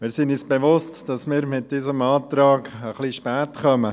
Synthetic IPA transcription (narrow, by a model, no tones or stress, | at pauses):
mɪːɾsinysb̥eʋʊstd̥ɑsmɪːɾmɪt̚d̥isəmɑːtɾɑːɡəχliʃpæːtχœmə